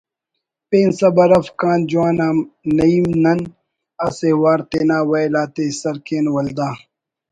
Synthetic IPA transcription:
peːnsɐbɐɾɐfkãːnd͡ʒuwaːnaːmnɐiːmnɐn | ɐsewaːɾt̪eːnaːwɐjlaːt̪eːsɐɾkeːnwɐld̪aː

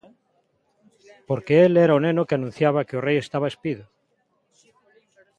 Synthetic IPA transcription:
poɾkeeleɾaonenokeanũn̟θjaβ̞akeoreje̞st̪aβaespiðo

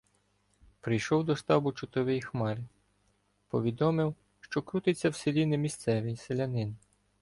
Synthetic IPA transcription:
pɾɪjʃɔwd̪ɔʃt̪ɑbʊt͡ʃʊt̪ɔʋʲɛjixmɑɾɪ | pɔʋʲid̪ɔmɪw | ʃt͡ʃɔkɾut̪ɪt͡sʲːɐwselʲinɪmʲist̪sɛʋʲijselʲɐnɪn

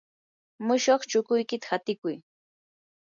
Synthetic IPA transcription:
mʊʃoχt͡ʃʊkʊjkɪt̪ḁhat̪ɪkʊj

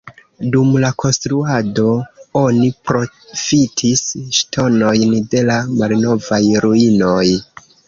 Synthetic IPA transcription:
dumlakʰo̞nstɾuado̞o̞nipɾo̞fitʰisʃtʰo̞no̞jnde̞lamalno̞vajɾuino̞j

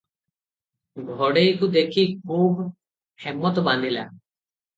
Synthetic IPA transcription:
bʱɔɽejkud̪ekʰikʰub | hemːɔt̪ɔband̪ʱila̰

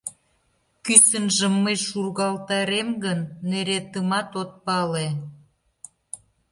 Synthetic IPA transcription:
kysənʒəmːəjʃurɣɑlt̪ɑɾemɡənːeɾet̪əmɑt̪ot̪̚pɑle

